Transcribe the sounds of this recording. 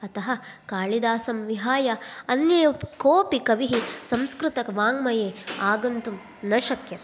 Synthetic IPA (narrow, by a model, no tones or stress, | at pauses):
ɐt̪ɐɦɐkaːɭid̪aːsɐmʋiɦaːjɐɐnjɐjɐkoːpikɐʋiɦisɐ̃mskɾut̪ɐkʋaːŋmɐjeːaːɡɐnt̪um | nɐʃɐkjɐ